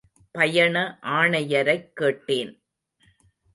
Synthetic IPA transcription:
pɐjɐɳɐʔaːɳɐjɐɾɐɪkːeːʈːeːn

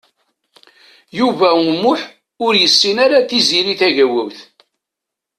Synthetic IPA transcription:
juvæumːʊħ | ʊɾjəsːinaɾaθiziɾiθæʝæwæwθ

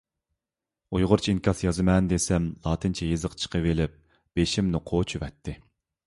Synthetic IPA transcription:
ujʁʊɾt͡ʃʰiinkʰɑsjɑzɨmɛnd̪esɛmlˠɑːt̪ʰɨnt͡ʃʰɛjezɨqt͡ʃʰə̥qʰəvelɪp̚ | b̥eʃimnʊqʰot͡ʃʰyvɛt̪ʰːɪ

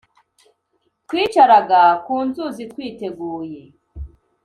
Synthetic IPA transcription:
twiːt͡ʃaɾaɡakuːnzuzitkwiːte̞ɡuːje̞

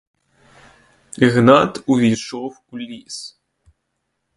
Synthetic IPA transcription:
iɣnat̪uvʲiʃowulʲːis

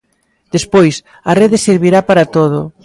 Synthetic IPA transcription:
d̪̥espojs | ɐreðeseɾβiɾapaɾɐt̪oðʊ

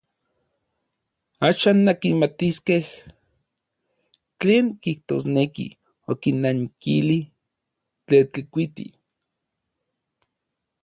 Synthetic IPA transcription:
aːʃaːnːakinmat̪iskeh | t͡ɬeːŋkiht̪osnekḭ | okinːaŋkili | t͡ɬet͡ɬikʷit̪ḭ

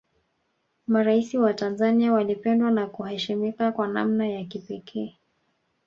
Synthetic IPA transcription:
maɾaisiwatanzaniawalipɛndwanakuhɛʃimikakwana̰mnajakipɛkʰɛː

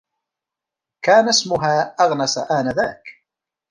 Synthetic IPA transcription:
kaːnæsmʊɦaːaʁnasa̰ʔanaðæːk

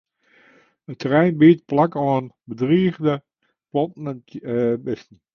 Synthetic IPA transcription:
ətrɛjnbiət̚plakɔənbədriːəɣdə | pɔtn | bɪsn̩

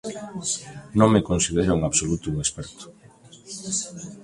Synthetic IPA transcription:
nõŋmekonsið̞eɾoŋaβsolut̪uuŋespɛɾt̪ʊ̥

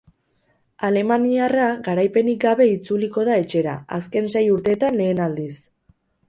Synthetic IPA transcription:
ale̞maniaraɡaɾajpe̞nik̚ɡaβe̞it͡suliko̞ð̞ae̞t͡ʃe̞ɾa̰a̰ske̞nse̞juɾt̪e̞t̪anle̞ːnald̪is

